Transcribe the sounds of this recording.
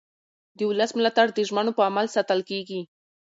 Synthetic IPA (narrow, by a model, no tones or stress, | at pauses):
d̪əʊləsmɪlat̪aɽd̪əʒmanopəamalsat̪əlkeɡi